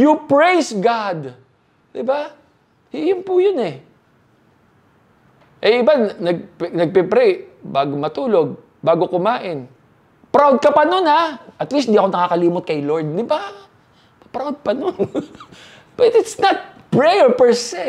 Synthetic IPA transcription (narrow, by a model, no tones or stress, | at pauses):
jʊpɹejsɡad̪ | d̪̥ɪba | hɪjʊnpʊjonɛ | ʔɛjɪbannɐɡ̚pɛnɐɡ̚pɛpɾɛjbaːɡomɐt̪uːlo̞ɡ̚ | baːɡo̞kʊmaːʔɪn | pɾawd̪̚kɐpɐnonaʔɐt̪list̪ɪnd̪iːɐkonɐkaːkɐliːmʊt̪̚kɐjloɹd̪̚d̪ɪba | pɐpɾawd̪̚pɐnon | b̥ɐt̪ɪt̪snɐt̪̚pɹɛjɛɹpɛɹsɛ